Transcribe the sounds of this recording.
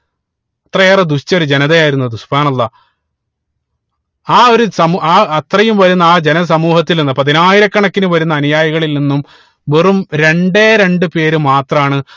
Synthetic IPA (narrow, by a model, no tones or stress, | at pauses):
ɐt̪rɐjeːrɐd̪uɕt͡ɕːɐo̞ɾud͡ʑenɐðejaːjiɾunːɐðɨsubʱaːnɐlˠːɐ | aːo̞ɾusɐmaːɐt̪rɐjumʋɐɾunːɐaːd͡ʑe̞nɐs̬ɐmuːhɐt̪ːilninːɐpɐðinaːjiɾɐkːɐɳɐkːinumʋɐɾunːɐːnjaːjiɣɐɭilninːum | ʋerumɾe̞ɳɖeːɾe̞ɳɖɨpe̞ːɾumaːt̪rɐmaːɳɨ